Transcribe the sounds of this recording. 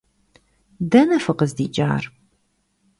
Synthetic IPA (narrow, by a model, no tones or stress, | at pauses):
dɐnɐfɨqəzdiːt͡ʃʼa̰ːr